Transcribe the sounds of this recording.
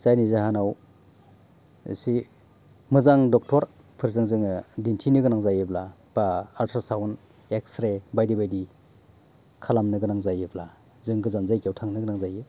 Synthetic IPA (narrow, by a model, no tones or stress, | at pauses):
zajnizaɦanaw | ḭsi | mɯzaŋdɔk̚tʰɔɾ | pʰɯɾzaŋzɯŋɯdintʰinɯɡɯnaŋzajɯbla | b̥aːɾtʰaɾsawn | eksɾebajdibajdi | kʰalamnɯɡɯnaŋzajɯbla | zɯŋɡɯzanzajkjewtʰaŋnɯɡɯnaŋzajɯ